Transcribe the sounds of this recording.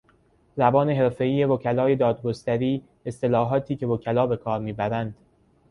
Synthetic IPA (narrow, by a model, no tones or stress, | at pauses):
zæbɒːne̞ɦe̞ɾfe̞iːje̞vocʰælɒːje̞d̪ɒːd̪̚ɡost̪æɾiː | e̞st̪e̞lɒːɦɒːt̪ʰiːce̞vocʰælɒːbe̞kʰɒːɾmiːbæɾænd̪̥